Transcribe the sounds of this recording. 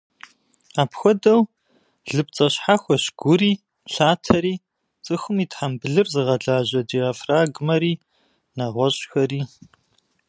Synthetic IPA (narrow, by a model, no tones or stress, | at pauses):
aːpxʷɔdɐw | ɮɨp̚t͡sʼɐɕħaxʷɔɕɡ̥ʷʊɾiː | ɬaːtʰɐɾiː | t͡sʼɨxʷɨmiːtħambɨɮɨrzɨʁɐɮaːʑɐdiaːfraːɡmɐɾiː | naʁʷɔɕʼxɐriː